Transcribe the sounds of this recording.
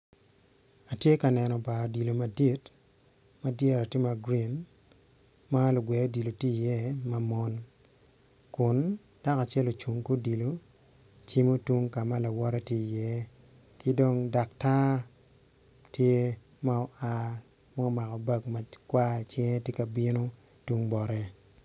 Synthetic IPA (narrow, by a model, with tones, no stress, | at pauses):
a˨tje˦ka˨nɛ˨nɔ˨ba˨di˨lo˨ma˨di˦t | ma˨djɛ˦ɾa˨ti˦ma˨ɡɾi˨n | ma˦lʊ˨ɡwɛ˨o˦di˨lo˨ti˦˨jɛ˦ma˦mɔ˦n | kʊ˨n | d̥a˦ka˨t͡ʃɛ˦lo˨t͡ʃu˨ŋko˦di˨lo˨ | t͡ʃi˦mo˦tu˦ŋka˨ma˦la˨wɔ˦ɾɛ˦tji˦˨jɛ˦ | kɪ˦do˦ŋda˨kta˦ | tje˦ | ma˦ɔ˨a˦ | ma˦ɔ˦ma˨kɔ˨ba˦kma˨kwa˦˨t͡ʃɛ˦ŋ˦tje˦ka˨bi˦no˦ | tu˦ŋbɔ˨ɾɛ˦